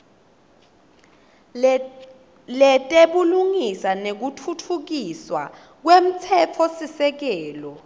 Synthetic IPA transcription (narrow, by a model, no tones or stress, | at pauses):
lɛtʼeɓuluŋisanek̬utʰutʰuk̬iswa̰ | k̬wem̩t͡sʰɛt͡fʰɔsisɛk̬ɛːlɔ